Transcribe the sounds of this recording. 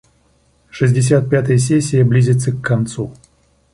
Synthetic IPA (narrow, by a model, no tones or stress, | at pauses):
ʂɨzʲdʲɪs̬ʲat̪̚pʲat̪əjəsʲesʲːɪjəblʲizʲɪt̪səkːɐnt̪su